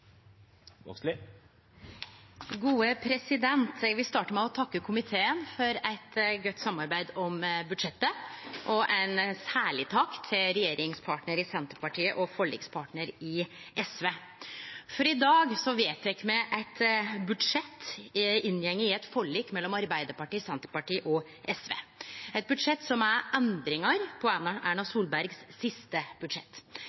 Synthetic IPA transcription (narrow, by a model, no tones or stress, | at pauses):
ɡuːəpʰɾɛsɪd̪ɛnt̪ʋɪst̪ɑːʈəmɛɔt̪ʰɑkːəkʰʊmɪt̪ʰeːənfɔɾæɪt̪ɡœt̪ːsɑmɑɾbæɪd̪ɔmbʉd̪ʂɛt̪ːəʔɔʔæɪnsæːɭɪt̪ʰɑːkt̪ʰɪlɾɛjeːɾɪŋspʰɑːʈnəɾɪsɛnt̪əɾpɑʈʰiːəʔɔfɔɭḭːkspʰɑːʈɳəɾɪʔɛsʋeː | fɔɾɪd̪ɑːɡsɔʋeːt̪ʋɛkmɛʔæɪt̪bʉd̪ʂɛt̪ːɪnːjɛŋːəɪɛt̪fɔɭiːkmɛlːɔmɑɾbæɪd̪əɾpɑʈiːsɛnt̪əɾpɑʈiːʔɔ | ʔɛsʋḛːɛt̪̚bʉd̪ʂɛt̪ːsɔmæɾʔɛnd̪ɾɪŋɑɾpʰɔænɑʔæːɳɑsuːlbæɾɡsːɪst̪əb̥ʉd̪ʂɛt̪ː